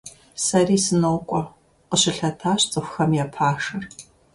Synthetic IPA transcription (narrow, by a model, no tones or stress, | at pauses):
sɐriːsɨnowkʷʼɔ | qəɕɪɬɐtʰaːɕt͡sʼɨxʷxɐmjapʰaːʂɨr